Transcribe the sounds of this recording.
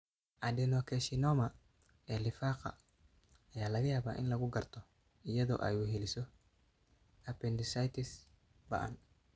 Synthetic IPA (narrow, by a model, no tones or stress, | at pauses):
ʔɐdɛnɔkʰɛʃinɔːmɐ | ɛlɪfaːqɑ̰ | ɐjaːlɐɣɐjaːβa̰ːʔɪ̰nlɐɣʊɡɐrt̪ʰɔ | ɪjɐðɔ̰ːʔɐ̰juːɦɛlɪsɔ | ɐpɛndɪsajt̪ɪs | bɐ̰ʔɐ̰n